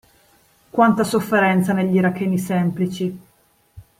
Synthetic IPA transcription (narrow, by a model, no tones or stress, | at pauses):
kwant̪asofːeɾɛnt̪saneʎːiɾakːeːnisɛmplit͡ʃi